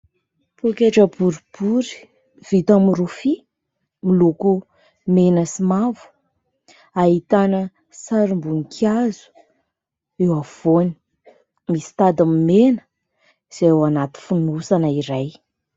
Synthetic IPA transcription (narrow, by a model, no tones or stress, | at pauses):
pokeʈ͡ʂəbuɾib̥uɾi̥ | v̥it̪amɾufi | miluku | menəsimavu̥ | aɦit̪anə | saɾimbunikʰazu̥ | ewav̥oni̥ | misi̥t̪ad̪amimenə̥ | z̥ewanat̪i̥funusanəiɾaj